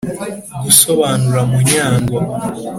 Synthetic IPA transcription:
ɡuso̞βaːnuɾamuɲaːŋɡwa

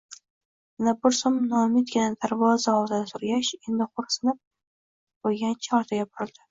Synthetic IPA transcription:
mɪnabɪɾsɒmnɒmɪt̪ɡʲɪnad̪aɾvɒzaɒlˠd̪ɨd̪asʊɾɡʲaʃe̞nd̪ɪχʊɾsɨnɪp̚ | ojɡʲant͡ʃʰɪɒɾt̪ʰaɡʲapʊɾɪld̪̥ɪ

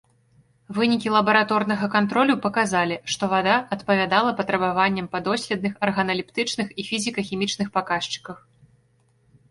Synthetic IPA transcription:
vɨnʲikʲilˠɐbɐɾat̪ɔrnɐɣɐkant̪ɾɔlʲupɐkazalʲiʂt̪ɔvad̪aʔɐt̪pɐvʲad̪alˠɐpɐt̪ɾɐbavanʲːɛmpɐd̪ɔsʲlʲɛd̪̚nɨxɐrɣɐnɐlʲipt̪ɨt͡ʂnɨxifʲizʲikɐxʲimʲit͡ʂnɨxpakaʂt͡ʂɨ̥kɐx

